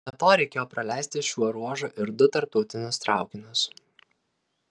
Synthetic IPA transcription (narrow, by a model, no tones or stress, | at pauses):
ɐt̪oːɾʲɛɪkʲeːjoːpɾɐlʲæˑɪsʲt̪ʲɪʃʲuɔɾuɔʒʊʔɪɾd̪ʊt̪ɐɾp̚t̪ɐʊt̪ʲɪnʲʊst̪ɾʔɑˑʊkʲɪnʲʊs